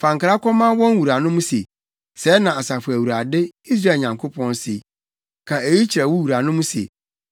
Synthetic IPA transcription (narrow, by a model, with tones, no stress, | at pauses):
fã˨ŋkʰa˨ɾa˦kʰɔ˦mã˦wɔ̃˦n˦wu˨ɾa˨nʊ̃˦mũ˦sḛ˨ | sɛ˨˦nã˨a˨sa˨fʊ˨æ˨wu˨ɾa˨dɪ˦i˦s̬ɾa˦˨ɲã˨ŋkʰo˦pʰɔ̃˦nsḛ˨ | kʰã˨e˨ji˦t͡ɕʰi˨ɾa˨wu˦wu˨ɾa˨nʊ̃˦mũ˦sḛ˨